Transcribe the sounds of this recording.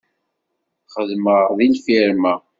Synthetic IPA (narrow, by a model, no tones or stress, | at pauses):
χəðməʁðilfiɾmæ